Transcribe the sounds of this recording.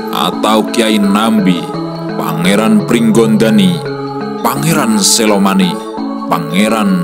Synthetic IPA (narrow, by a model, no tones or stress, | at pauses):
ʔa̰t̪aukiainambi | pa̰ŋeɾanpɾiŋɡɔnd̪ani | paŋeɾanselɔmani | paŋeɾan